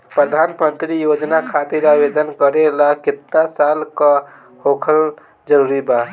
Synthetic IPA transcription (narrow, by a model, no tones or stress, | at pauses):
pɾəd̪ʱanmənt̪ɾijod͡ʒnakʰat̪iɾabed̪ənkəɾelakit̪ːasalkə | hokʰəl | d͡ʒəɾuɾiba